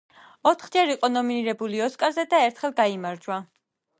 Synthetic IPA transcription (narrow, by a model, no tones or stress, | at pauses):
ɔt̪ʰχd͡ʒɛɾiqʼɔnɔminiɾɛbuliɔskʼaɾzɛd̪aɛɾt̪ʰχɛlˠɡaimaɾd͡ʒwa